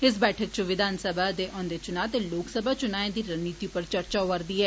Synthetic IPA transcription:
ɪs̬bɛːʈʰək̚t͡ʃəʋɪd̪ʱaːnsəbaːd̪eːʔɔ̃ːnd̪eːt͡ʃʊnaːt̪eːloːksəbʱaːt͡ʃʊnaːẽːd̪iːɾənːiːt̪ipəɾt͡ʃəɾt͡ʃaːoʋəɾd̪iːɦɛː

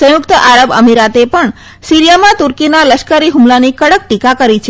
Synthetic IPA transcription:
sə̃jʊkt̪əʔaɾəbə̰miɾat̪epəɳ | siɾijamãt̪uɾkinaləʃkəɾiɦumlanikəɽək̚ʈikakəɾit͡ʃʰ

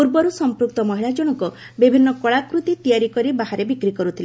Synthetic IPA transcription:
uɾbɔɾusɔmpɾuk̚t̪ɔmɔɦiɭad͡ʒɔɽ̃ɔkɔ | bibʱinːɔkɔɭakɾut̪it̪ijaɾikɔɾibaɦaɾebikɾikɔɾut̪ʰile

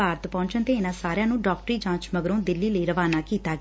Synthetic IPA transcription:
aːɾt̪pɔ̃ːɲt͡ʃənt̪eːɪnãːsaːɾjãːnũːɖɔːk̚ʈɾiːd͡ʒãːt͡ʃməɡɾõːd̪ɪlːiːləiːɾəʋaːnaːkiːt̪aː

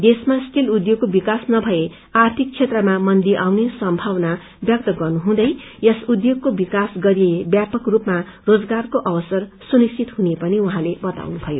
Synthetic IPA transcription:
d̪esmasʈilud̪joɡ̚kobikasnʌbʱʌe | art̪ʰik̚t͡sʰet̪rʌmamʌnd̪iʔawnesʌmbʱawna | bjʌk̚t̪ʌɡʌrnuɦũd̪ʌj | jʌsud̪joɡ̚kobikasɡʌɾijebjapʌkrupmarod͡zɡarkoʔʌbʌsʌrsunist͡ʃit̪ɦunepʌniuɦãlebʌt̪a̰wnubʱʌjo

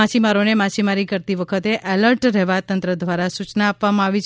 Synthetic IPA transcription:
at͡ʃimaɾonemat͡ʃimaɾikəɾt̪iʋəkʰət̪eʔɛləɾʈɾɛɦʋat̪ənt̪ɾəd̪ʋaɾasut͡ʃnaːpʋamãaʋit͡ʃʰ

